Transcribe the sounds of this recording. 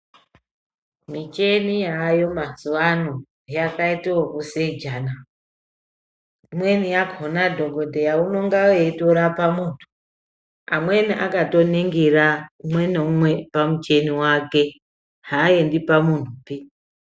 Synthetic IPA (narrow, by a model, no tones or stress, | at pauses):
mit͡ʃe̞nijajo̞mazuwano | jakaitiwokuseid͡ʒana | mwe̞nijaɡonadʱo̞ɡʱo̞dʱejauno̞ŋɡaweitoɾapamuntʰu̥ | amweniʔakato̞neŋɡiɾamweneumwepamut͡ʃe̞niwake̞ | hajendipamun̤upi